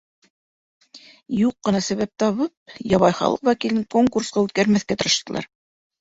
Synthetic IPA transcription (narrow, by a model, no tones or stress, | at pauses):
juqːɤ̆nɑsæβæp̚t̪ɑβɤp̚jɑβɑjχɑ̰lˠɤ̰qwækilɘŋkoŋkursqɑʉt̪̚kæɾmæθkæt̪ɤ̆ɾɤ̆ʃt̪ɤ̆lˠɑ̰ɾ